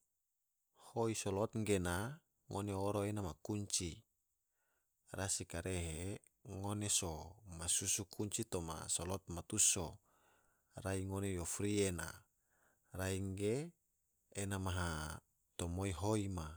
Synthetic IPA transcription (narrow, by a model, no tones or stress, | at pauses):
hoisolɔt̪ŋɡena | ŋoneoɾoenamakuɲt͡ʃi | rasikaɾeɦe | ŋonesomasusukʰuɲt͡ʃit̪oma̰solɔt̪̚mat̪uso | raiŋonejofɾiena̰ | raiŋɡeː | namaɦa | t̪omoiɦoima